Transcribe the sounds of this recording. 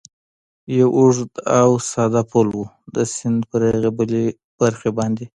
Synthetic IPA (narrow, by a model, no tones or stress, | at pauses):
jawʊʐd̪awsɑd̪apʰolwu | d̪əsɪnd̪pəɾaɣebəle | b̥aɾxebɑnd̪e